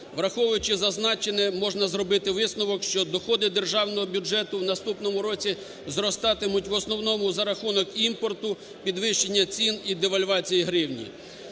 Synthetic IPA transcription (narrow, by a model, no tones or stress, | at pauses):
ʋɾɐxɔʋʊjʊt͡ʃɪzɐznɑt͡ʃenɛmɔʒnɐzrɔbɪt̪ɪʋɪsnɔʋɔkʃt͡ʃɔd̪ɔxɔd̪ɪd̪e̞rʒɑwnɔɦɔbʲjud͡ʒɛt̪ʊwnɐst̪upnɔmʊɾɔt͡sʲi | zrɔst̪ɑt̪ɪmʊtʲʋɔsnɔwnɔmʊzɐɾɐxunɔkimpɔrt̪ʊ | pʲid̪ʋɪʃt͡ʃenʲːɐt͡sʲinid̪eʋɐlʲʋɑt͡sʲijiɦɾɪwnʲḭ